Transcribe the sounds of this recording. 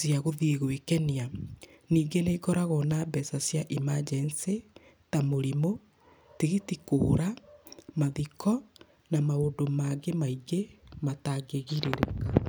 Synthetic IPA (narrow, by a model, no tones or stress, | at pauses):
siaɣoðiːɣwekɛnia | niːɡeneiɡɔɾaɣɔnabɛsasjaʔimad͡ʒɛnse | tamoɾimo | tiɣitikoɾamaðikɔ | namaondomaɡemaiɡemataɡeɣiɾeɾḛka